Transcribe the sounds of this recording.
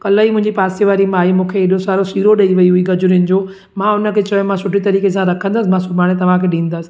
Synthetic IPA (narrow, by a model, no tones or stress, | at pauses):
kɐləimʊ̃ɦɪ̃ɲd͡ʑipaːseʋaːɾimaːimũːkʰeːɗosaːɾosiːɾoɗɐiʋɐiɦuiɡɐd͡ʑʊɾiʊnɪ̆d͡ʑoː | mãʊnə̆kʰeːt͡ɕɐjõmãsʊʈʰit̪ɐɾiːkesãɾɐkʰə̃nd̪əsɪ̆mãsʊbaːɽ̃et̪ɐʋ̤ãkʰeːɗĩːn̆d̪əsɪ̥̆